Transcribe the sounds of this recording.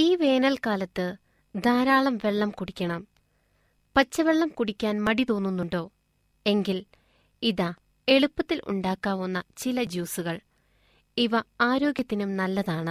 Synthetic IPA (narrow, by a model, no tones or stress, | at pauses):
iːʋe̞ːnɐlkaːlɐt̪ːɨ | d̪ʱaːɾaːɭɐmʋe̞ɭːɐmkuɽikʲːɐɳɐm | pɐt͡ɕːɐʋe̞ɭːɐmkuɽikʲːaːnmɐɽit̪o̞ːnːunːuɳɖo̞ː | e̞ŋɡil | iðɐ | e̞ɭupːɐt̪ːilʔṵɳɖaːkːaːʋunːɐt͡ɕilɐd͡ʑuːsuɣɐɭ | iʋɐaːɾo̞ːɡʲjɐt̪ːinumnɐlːɐðaːɳɨ